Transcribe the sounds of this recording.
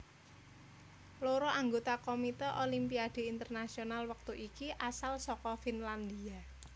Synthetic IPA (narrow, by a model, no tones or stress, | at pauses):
loɾɔʔaŋɡot̪akomit̪ɛʔolimpiaɖ̪̥e̤int̪ərnasionalwək̚t̪uʔikiʔasalsɔkɔfinland̪ia